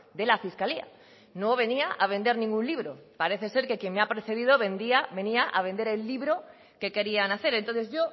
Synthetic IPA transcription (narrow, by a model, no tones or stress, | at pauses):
d̪e̞lafiskalia̰ | noβ̞e̞niaʔaβe̞nd̪e̞ɾnĩŋɡunliβɾo̞paɾe̞θe̞se̞ɾke̞kje̞ŋmeapɾeθe̞ð̞ið̞oβe̞nd̪iaβe̞niaʔaβe̞nd̪e̞ɾe̞lːiβɾo̞ | ke̞ke̞ɾianaθe̞ɾe̞nt̪onθe̞zʝo̞